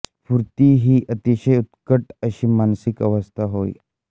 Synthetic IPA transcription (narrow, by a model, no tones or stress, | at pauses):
fuɾt̪iɦiːʔət̪iɕəjut̪kəʈəɕiːmansikəʋəst̪ʰaɦoḭ